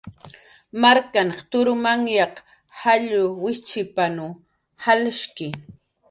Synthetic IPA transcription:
maɾkanqt̪ʊɾʊmaŋjɑq | haʎʊwɪt͡ʃɪpanʊ | halʃkɪ

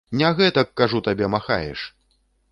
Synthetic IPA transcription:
nʲaɣɛt̪ɐkːaʐut̪abʲɛmaxa̰jɛ̰ʂ

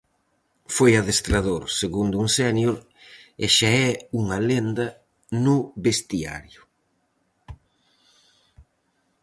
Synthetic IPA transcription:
fojaðest̪ɾaðoɾseɣund̪ʊuŋsɛnjoɾ | eʃaɛuŋalend̪ɐ | nʊβest̪ia̰ɾjʊ

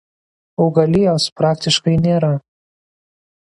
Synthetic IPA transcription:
oːɡɐlʲɪjoːspɾɑːkt̪ʲɪʃkɐɪnʲeːɾɐ

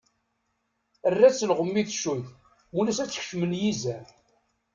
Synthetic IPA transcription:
ərːæt͡sːlʁəmːiθʃuθ | wunæsæt͡sːə̥ç̥ʃməljizæ

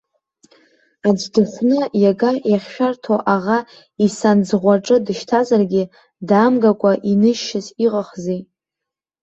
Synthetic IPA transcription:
ad͡ʒdɨħʷnɨjaɡajaχʲʃᶣartʰoʔaʁa | isand͡zʁʷaʈ͡ʂʼɨdɨʃtʰazarɡʲɪ | daːmɡakʷʼaʔinɨʃːɪziqʼaχzij

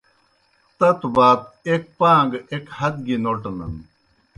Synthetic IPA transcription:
t̪ɐt̪ubaːt̚ek̚paːŋɡekhɐd̪̚ɡinoʈɐnɐ̰n

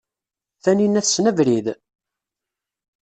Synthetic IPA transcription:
θæninːæθsnævɾið

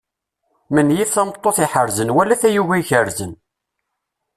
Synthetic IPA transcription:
mənjiθθæmət̪ˤːoθiħəɾzənwælːæθæjuʝæçəɾzən

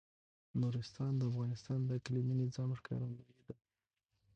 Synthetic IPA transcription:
nuɾɪst̪ɑnd̪əafɣɑnɪst̪ɑnd̪əkliminɪzɑmʂkɑ̰ɾanaed̪a

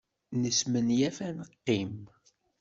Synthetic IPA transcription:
nəsmənjæfænəqːim

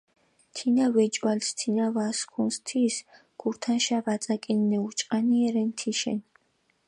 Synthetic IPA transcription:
t̪ʰinavɛd͡ʒʼwalst̪ʰinavaskʰunst̪ʰis | ɡ̥uɾt̪ʰanʃavat̪sʼakʼinːɛut͡ʃʼqʼaniɛɾɛnt̪ʰiʃɛ̰n

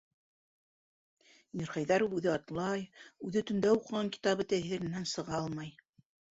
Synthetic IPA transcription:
mʲiɾχɑjðɑɾuwʉðɘɑt̪lˠɑjʉðɘt̪ɵ̆nd̪æuqɤ̆ʁɑŋkʲi̥t̪ɑβɤt̪æθɘ̆ɾɘ̆nænsɤ̆ʁɑɑlˠmɑj

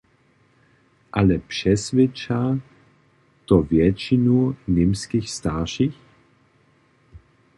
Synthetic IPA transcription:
ʔalɛpʂɛsvɛt͡ʃa | t̪ɔvjɛt͡ʃinunɪmskixst̪aʁʃix

